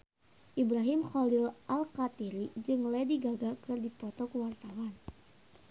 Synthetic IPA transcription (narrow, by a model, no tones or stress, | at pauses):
ʔibɾaɦimxɔlɪlʔalkat̪iɾid͡ʒɨŋlɛdiɡaɡakɨrdipɔt̪ɔkəwart̪awan